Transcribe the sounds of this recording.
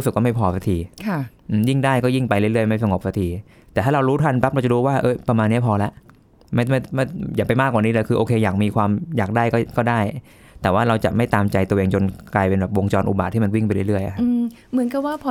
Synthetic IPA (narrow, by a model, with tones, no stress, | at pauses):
sɯ˨˩kːɔ˥ma˥˩jpʰɔː˧sa˧t̪ʰiː˨˩kʰa˥˩ʔɯː˧˩ji˥˩ŋdaː˥˩jkɔː˥˩ji˥˩ŋpa˧jɾɯ˥˩ɾɯ˥˩əjma˥˩jsa˧ŋo˨˩p̚sa˧t̪ʰiː˨˧˩ | t̪ɛː˨˩tʰaː˥˩ɾa˧ɾuː˦˥t̪ʰa˧npa˦˥p̚ɾt͡ɕa˧duː˧˥waː˥˩ʔɤː˥˩pɾa˧maː˧nːi˦˥˩pʰɔː˧lɛ˦˥ʔ | ma˥˩˥ma˥˩jaː˨˩pa˧jmaː˥˩k̚ːwaː˨˩niː˦˥lɛ˦˩kʰɯː˧ʔoː˧kʰeː˧jaː˨˩k̚miː˧kʰwaː˧mjaː˨˩k̚daː˥˩jkɔː˥˩kɔː˥˩daː˥˩j | t̪ɛː˨˩waː˥˩ɾa˧wt͡ɕa̰˨˩ʔma˥˩jt̪aː˧mt͡ɕa˧jt̪u˧ʔeː˧ŋt͡ɕo˧nklaː˧jpe˧nbɛː˨˩p̚wo˧ŋt͡ɕɔː˧nʔṵ˨˩baː˨˩t̪ʰːiː˥˩ma˧nwi˥˩ŋpa˧jɾɯ˥˩ɾɯ˥˩əjʔa̰˨˩kʰa˦pː | mɯ˩˦ənka˨˩waː˥˩pʰɔ˧